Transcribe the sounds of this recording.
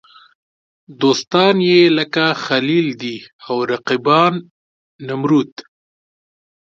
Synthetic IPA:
d̪ost̪ɑnjeləkaxalild̪iawɾaqibɑnː | amɾut̪

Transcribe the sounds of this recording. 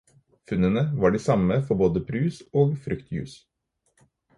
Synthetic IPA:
fʉnənəʋɑːɖiːsɑməfɔɾboːd̪əpʰɾʉːsoːɡfɾʏkt̪ʰjʉ̰ːs

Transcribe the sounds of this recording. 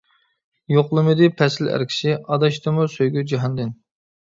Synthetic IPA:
joqlˠɨmɨd̪ɨpʰɛsɪlæ̰ɾkʲʰi̥ʃɪɑd̪ɑʃt̪ɨmusøjɡʲyd͡ʒiɦɑnd̪ɨn

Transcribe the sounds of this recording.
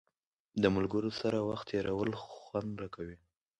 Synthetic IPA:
d̪əmalɡəɾosaɾawaxt̪ːeɾawəlxwand̪ɾakʰawi

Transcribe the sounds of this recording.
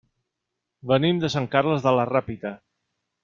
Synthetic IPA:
bənimd̪əsaŋkarləzðələrapit̪ə

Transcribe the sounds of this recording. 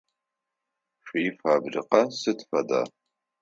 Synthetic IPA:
ʂiːfaːbrḭqɐsɨtfɐda̰ː

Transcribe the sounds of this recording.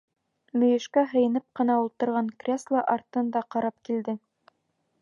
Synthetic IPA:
mɵ̆jɘ̆ʃkæɦɤ̆jɤ̆nɤp̚qɤ̆nɑulˠt̪ɤ̆ɾʁɑŋkrʲeslˠɑʔɑɾt̪ɤ̆nd̪ɑqɑɾɑp̚kild̪ɘ

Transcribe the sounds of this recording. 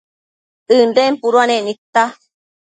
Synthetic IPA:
ɨndempuɾuanẽʔnit̪ːa

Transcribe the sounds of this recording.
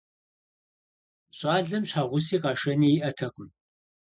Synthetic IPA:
ɕʼaːɮɐmɕaːʁʷʊsiːqɑːʂɐniːjːʔɐtʰɐqʼʊm

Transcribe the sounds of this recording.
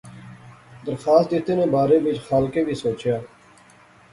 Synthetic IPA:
d̪əɾxaːst̪ɪt̪eːnẽːbaːɾeːbɪt͡ʃxaːlkeːʋʱiːsoːt͡ʃjaː

